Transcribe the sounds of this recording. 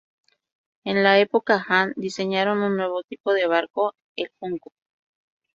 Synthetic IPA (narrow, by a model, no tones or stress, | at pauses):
enlaepokaxand̪iseɲaɾonunːweβot̪ipoðeβ̞aɾko | elhuŋko